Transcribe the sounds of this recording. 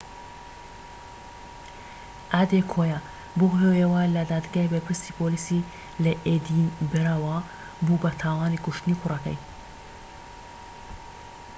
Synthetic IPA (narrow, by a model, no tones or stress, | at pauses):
ʔad̪ekʰoja | boɦejewaːlɐd̪aːd̪ɡaebɛlpʰɪɾst̪iːpʰolisi | lɛʔed̪inbɪɾawa | buːbɐt̪ʰaːwɑːnikʊʃt̪ɨniːkʰʊrɐkɐ̰j